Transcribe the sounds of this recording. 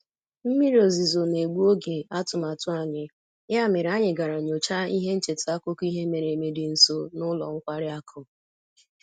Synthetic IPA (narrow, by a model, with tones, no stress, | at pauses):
m̩˦mi˦ɾo˨zi˨zo˨ne˨ɡ͡bu˦o˦ɡe˨a˦tʊ˨ma˨tʊ˦a˨ɲɪ˨ | ja˦mɪ˨ɾa˦ɲɪ˨ɡa˨ɾa˨ɲo˨t͡ʃa˦i˦ɦe˦n̩˦t͡ʃe˨ta˦ko˦ki˦ɦe˦me˨ɾe˨me˨dɪ˨n̩˨so˦nʊ˦lɔ̰˨ŋ̩˦kʷa˦ɾɪ˦a˦kʰʊ˦˨